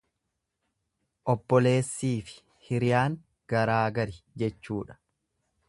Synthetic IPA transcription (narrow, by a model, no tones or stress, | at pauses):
ʔɔbːɔle̞ːsːiːfɪ̥ | hɪɾɪjaːŋ | ɡ̥ɐɾaːɡɐɾɪd͡ʒɛt͡ʃːuːᶑɐ̥